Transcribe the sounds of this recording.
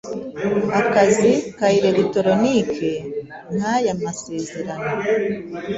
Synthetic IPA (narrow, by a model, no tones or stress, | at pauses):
akazikaiɾe̞ɾito̞ɾo̞nikʰe̞ | n̥hajamase̞ːze̞ɾano